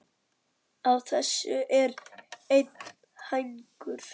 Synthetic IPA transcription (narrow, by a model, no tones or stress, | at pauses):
awθɛsːʏʔɛɾejt̪̚n | hajŋkʏɾ̥